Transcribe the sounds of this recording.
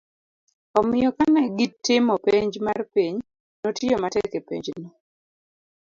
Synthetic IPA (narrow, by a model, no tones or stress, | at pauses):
ɔmɪjɔkanɛɡitːɪmɔpeɲd͡ʒmarpiɲ | notijomatɛkepḛɲd͡ʒnɔ